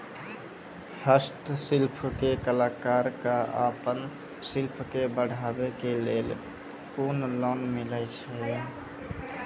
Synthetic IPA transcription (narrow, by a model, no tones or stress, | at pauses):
həst̪silpʰkekəlakaɾkaapən | silpʰkebəɽ̤ʱabekelel | konlɔnmilət͡ʃʰɛ